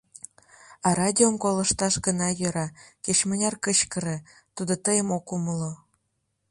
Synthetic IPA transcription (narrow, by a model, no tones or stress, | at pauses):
ɑɾɑdʲiomkolə̆ʃt̪ɑʃɡənɑjø̆ɾɑket͡ɕmə̆nʲɑrkət͡ɕkə̆ɾĕ | t̪ud̪ot̪əjəmokuməlo